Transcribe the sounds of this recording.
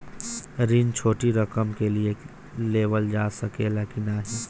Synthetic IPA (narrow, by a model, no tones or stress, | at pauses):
ɾiːnt͡ʃʰoːʈiɾɐkəmkelie | leːʋəld͡ʒaːsɐkeleːkinaɦiː